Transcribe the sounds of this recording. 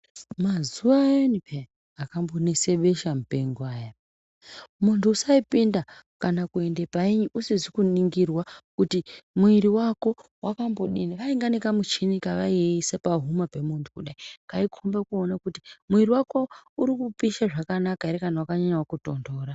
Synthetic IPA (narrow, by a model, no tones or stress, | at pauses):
mazuʋajenipʰe | akambo̞nese̞ɓe̞ʃamupeŋɡaːja | muntʰuːsaipinda | kanakue̞nde̞paiɲiʔusizikuniŋɡirwakutimuiɾiwako̞wakambo̞ɗiniʋaiŋɡanekamut͡ʃinikaʋaisepaɦumape̞muntʰukuɗaiŋkaikʰombekuonakutimuiriwako̞uɾikupiʃaʐakanakaeɾekanawakaɲaɲawakuto̞ndo̞ːɾa